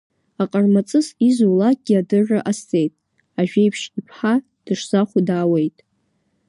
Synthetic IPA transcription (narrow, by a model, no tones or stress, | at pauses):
aqʼarmat͡sʼɨsizuwlak̚ʼɡ̥ʲiadɨrɨʔaste̞jtʼ | aʒᶣejpʰʂipʰħa | d̥ɨʂz̥aχʷudaːwe̞jtʼ